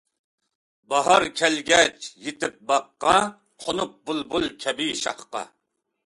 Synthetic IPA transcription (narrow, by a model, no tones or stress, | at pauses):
bɑɦɑɾkʲʰælɡʲɛt͡ʃjet̪ɪp̚bɑqːɑ | qʰonup̚bulˠbulˠkʲʰɛbiʃɑ̰χqɑ̰